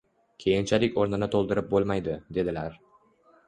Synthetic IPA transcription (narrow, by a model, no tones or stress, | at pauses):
kʲʰe̞jɪnt͡ʃʰalɪkʲoɾnɪnɪt̪ʰolˠd̪ɪɾɪp̚bolˠmajd̪ɪd̪e̞d̪ɪlaɾ